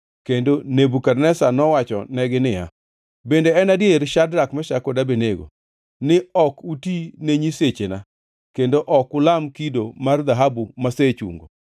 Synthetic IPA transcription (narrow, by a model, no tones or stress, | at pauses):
kendonebukarnɛsanɔwat͡ʃɔ̰nɛɡɪnɪja̰ | bendeɛnadjeɾʃadɾakmaʃakɔdabeneɡo̰ | nɪɔkutineɲiset͡ʃena | kendoʔɔkʊlamkidomard̪aɦabumaset͡ʃṵŋɡo̰